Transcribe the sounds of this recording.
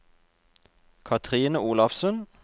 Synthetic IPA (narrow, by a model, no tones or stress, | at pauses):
kʰɑt̪ʰʁiːnəuːlɑfsʉn